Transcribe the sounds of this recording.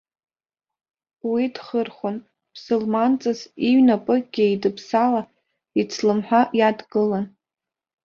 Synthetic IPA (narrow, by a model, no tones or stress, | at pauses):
widχərχʷon | b̥ʰsolmant͡sʼɨziɥnapʼɨɡ̥ʲɪjdɨpʰsala | it͡sʰlɨmħʷᶣajadɡɨlan